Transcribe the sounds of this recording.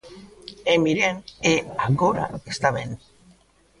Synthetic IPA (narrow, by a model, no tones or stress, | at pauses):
emiɾeneaɣoɾa̰est̪aβen